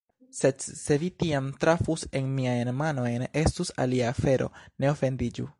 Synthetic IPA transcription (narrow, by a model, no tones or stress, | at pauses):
se̞dse̞vitiamtɾafuse̞nmiajnmano̞jne̞stusa̰liaːfe̞ɾʔo̞̰ne̞o̞fe̞ndid͡ʒṵ